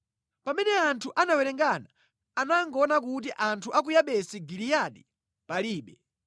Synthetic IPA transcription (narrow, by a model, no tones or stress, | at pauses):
pamɛnɛantʰuʔanawɛɾɛŋɡanaː | naŋɡɔnak̬ut̬iʔantʰuʔak̬ujaɓɛsiɡilijaɗi | paliːɓɛ